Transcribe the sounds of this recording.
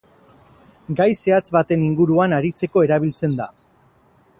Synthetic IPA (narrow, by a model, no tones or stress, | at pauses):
ɡajse̞at͡sβat̪e̞niŋɡuɾuanaɾit͡se̞ko̞e̞ɾaβ̞ilt͡se̞nd̪a